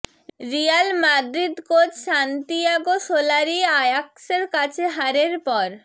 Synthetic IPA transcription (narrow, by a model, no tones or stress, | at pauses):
ɾialmad̪ɾid̪kot̪ʃant̪iaɡosolaɾiajakseɾkat͡ɕʰeɦaɾeɾpɔɾ